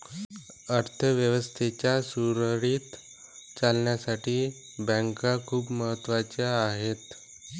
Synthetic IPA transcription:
əɾt̪ʰəʋjəʋəst̪ʰet͡ɕjasuɾəɾiːt̪ | t͡salɳjasaʈʰiː | bə̃ŋkakʰuːpməɦət̪ːʋat͡ɕaːɦet̪

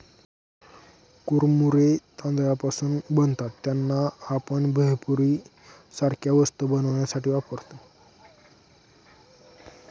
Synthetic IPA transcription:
kuɾmuɾet̪ãnd̪japasuːnbənt̪at̪ːjanːaːpəɳbʱəjpuɾiː | saɾkjaʋəst̪əbənəʋɳjasaʈiːʋapəɾt̪ə

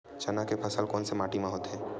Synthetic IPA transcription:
t͡ʃɐnakepʰəsəlkoːnsemaːʈimãɦoːt̪ɦɛ̃ː

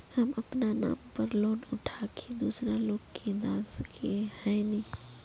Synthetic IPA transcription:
hɐmɐpnana̰ːmpəɾloːnʊʈʰaːkʰed̪uːsɾaloːkkẽːnd̪aːsəkʰehəeni

